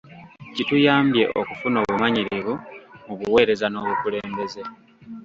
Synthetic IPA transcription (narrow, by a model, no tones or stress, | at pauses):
citujaːmbje̞ʔokufuno̞ːβumaɲiɾiβumuβuwe̞ːɾe̞zano̞ːβukule̞ːmbe̞ze̞